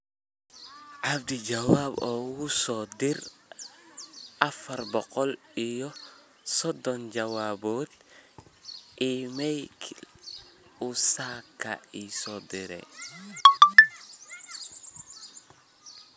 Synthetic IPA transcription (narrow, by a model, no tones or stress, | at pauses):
ʔab̚did͡ʒawabɔwusɔdiɾ | afɐɾbɔqɔlijɔ | sɔdɔnd͡ʒawaboːt̪̚ | imɛjkʰ | usakːa̰isɔdiɾɛ̰